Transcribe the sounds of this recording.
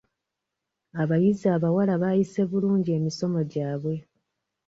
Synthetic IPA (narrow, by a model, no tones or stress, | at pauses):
aβajizaːβawalaβaːjise̞βuluːɲɟie̞ːmiso̞mo̞ɟaːβwe̞